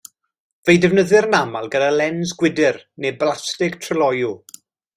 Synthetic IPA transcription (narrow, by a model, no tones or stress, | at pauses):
vejdɛvnəðɨrnamalˠɡədalɛnzɡwɪdɪrneblastɪɡ̥tʰrəlɔju